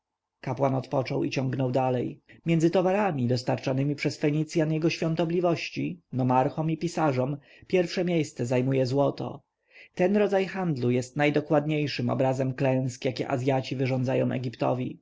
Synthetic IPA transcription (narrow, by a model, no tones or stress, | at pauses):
kapwanɔt̪pɔt͡ʂɔwit͡ɕɔŋɡnɔwd̪alɛjmʲjɛnd̪zɘt̪ɔvaɾamʲid̪ɔst̪aɾt͡ʂanɘmʲipʂɛsfɛɲit̪sʲjanjɛɡɔɕfʲjɔ̃nt̪ɔblʲivɔɕt͡ɕinɔmaɾxɔmipʲisaʐɔm | pʲjɛɾfʂɛmʲjejst̪sɛzajmujɛzwɔt̪ɔ̰ | t̪ɛnɾɔd̪zajxand̪lujɛst̪najd̪ɔkwad̪ɲejʂɘmɔ̰bɾazɛmklɛ̃w̃skjakʲɛ̰ʔazʲjat͡ɕivɘʐɔnd̪zajɔ̃w̃ʔɛ̰ɡʲipt̪ɔ̰vʲi